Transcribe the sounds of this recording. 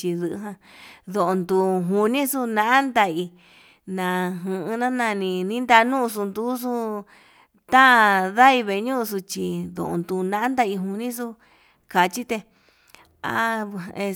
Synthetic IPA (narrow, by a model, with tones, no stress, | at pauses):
t͡ʃi˧ðɨ̰˧ɦã˧ðo˨o˧nd̪u˧ɦu˧nĩ˦su˧nã˧ʔa˦nd̪a˧i˧ | nã˧˨ɦɨ̃˧nã˦nã˧nĩ˧nĩ˦nd̪a˧nũ˦˧s̬u˧nd̪u˦s̬u˧ | t̪ã˦˧ða˦i˧βe˧ɲũ˦˧s̬u˧t͡ʃi˧ðo̰˨ʔõ̰˧nd̪u˧nã˧˦ã˦nd̪a˧i˧ɦu˧nĩ˦s̬u˦ | ka˨t͡ʃi˦t̪e˧ | a̰˦e˧